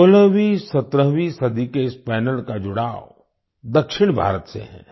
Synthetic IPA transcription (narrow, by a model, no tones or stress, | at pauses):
oləɦʋisət̪ɾəɦʋisɐd̪ikeɪspɛːnəlkad͡ʒʊɽaːʋo | d̪ɐkʃɪɽ̃bʱa̰ːɾət̪sḛɦɛ̰̃ː